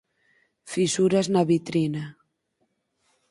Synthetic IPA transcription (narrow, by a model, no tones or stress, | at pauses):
fisuɾaznaβit̪ɾina